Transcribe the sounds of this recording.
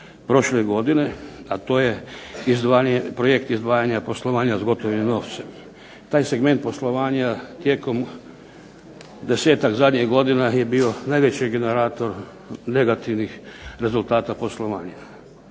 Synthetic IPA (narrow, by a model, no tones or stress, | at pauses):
pɾo̞ʃleɡo̞d̪ine̞at̪o̞ːje̞izd̪ʋaːɲepɾoje̞kt̪izd̪ʋaːjaɲapo̞slˠoʋaːɲazaɡo̞t̪oʋimno̞ːʋt̪sem | t̪aːjse̞ɡme̞nt̪̚po̞slˠo̞ʋaːɲat̪jeːko̞m | d̪e̞se̞ːt̪akzad̪ɲiɦɡo̞d̪inaje̞bio̞najʋet͡ɕiɡe̞neɾaːt̪o̞ɾ | ne̞ɡat̪iʋnixɾe̞zult̪aːt̪apo̞slˠoʋaːɲa